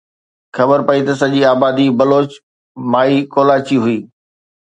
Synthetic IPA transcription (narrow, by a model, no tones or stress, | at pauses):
xɐbəɾpɐit̪ɐsɐʄiaːbaːd̪ibɐloːt͡ɕ | maːikoːlaːt͡ɕiɦʊiː